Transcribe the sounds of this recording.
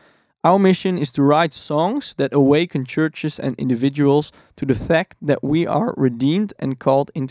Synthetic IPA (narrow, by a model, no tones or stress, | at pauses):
ʔaʊə˞mɪʃɨ̃nɪz̥tʰɨɹaɪtsɔ̃ŋz̥ðɨɾəweɪkʰɨ̃nt͡ʃʰɜ˞t͡ʃɨzɨ̰̃nɪ̰̃ndɨvɪd͡ʒɨəl̩ˠz̥ | tʰɨðɨfæk̚tðɨʔwiʔə̰˞ɹɨdĩmdɨ̰̃nkʰɔlˠdɪ̃nt